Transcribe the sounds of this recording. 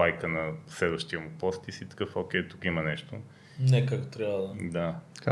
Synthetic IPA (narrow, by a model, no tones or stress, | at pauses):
ajkənɐslɛd̪vəʃt̪iəmupɔst̪isit̪ə̥kəfok̟ʲɛjt̪ukimɐnɛʃt̪o̰ | nɛkakt̪ot̪ɾʲjavəd̪ɐd̪ḁka